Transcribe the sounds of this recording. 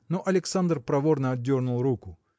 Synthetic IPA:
noʔɐlʲɪksand̪rpɾɐvo̞rnəɐd̪ʲːo̞rnʊlˠrukʊ

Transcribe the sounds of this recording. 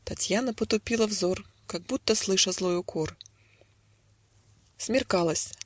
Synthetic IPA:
t̪ɐtʲjanəpət̪ʊpʲilˠəvzor | kaɡ̚but̪ːəslˠɨʂəzlˠo̞jʊkʰor | smʲɪrkalˠəsʲ

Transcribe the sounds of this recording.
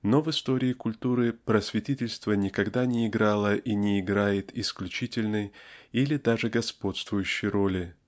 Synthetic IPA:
no̞vɨst̪o̞ɾʲɪːkʊlʲt̪uɾɨpɾəsvʲɪtʲitʲɪlʲst̪vənʲɪkɐɡd̪anʲɪːɡɾalˠəʔinʲɪːɡɾajɪt̪ʰɪsklʲʉt͡ɕitʲɪlʲnɨjilʲɪd̪aʐɨɡɐspo̞t̪st̪vʊjʉɕːɪjɾo̞lʲɪ

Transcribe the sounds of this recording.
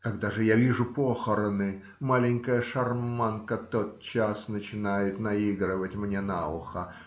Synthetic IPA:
kɐɡd̪aʐɨjavʲiʐʊpoxəɾənɨ | malʲɪŋʲkəjəʂɐrmankət̪o̞t̪̚t͡ɕasnət͡ɕɪnajɪt̪nɐiɡɾəvətʲmnʲe̞naʊxə

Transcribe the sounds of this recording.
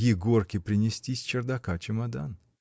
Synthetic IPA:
jʲɪɡorkʲɪpɾʲɪnʲɪsʲtʲisʲt͡ɕɪrd̪akat͡ɕɪmad̪a̰n

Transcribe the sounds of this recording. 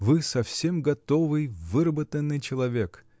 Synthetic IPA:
vɨsɐfsʲemɡɐt̪ovɨjvɨɾəbət̪ənːɨjt͡ɕɪlˠɐvʲek

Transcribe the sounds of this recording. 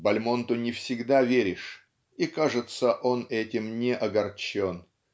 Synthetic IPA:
bɐlʲmont̪ʊnʲɪfsʲɪɡd̪avʲeɾʲɪʂ | ikaʐɨt̪səʔo̞nɛtʲɪmnʲɪʔɐɡɐrt͡ɕon

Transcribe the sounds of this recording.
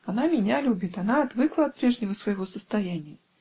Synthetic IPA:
anamʲɪnʲalʲubʲɪt̪anaɐt̪vɨklˠəɐt̪̚pɾʲeʐnʲɪvəsvəjɪvosəst̪ajænʲɪjə

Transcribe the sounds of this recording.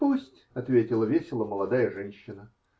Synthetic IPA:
pusʲtʲɐt̪vʲetʲɪlˠəvʲesʲɪlˠəməlˠɐd̪ajəʐɛnʲɕːɪnə

